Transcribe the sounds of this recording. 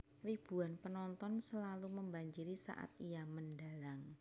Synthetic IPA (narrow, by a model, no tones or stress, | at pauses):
rib̥uanpənɔnt̪ɔnsəlaluməmbaɲd͡ʒiɾisa̰ʔa̰t̪̚ijaməndalaŋ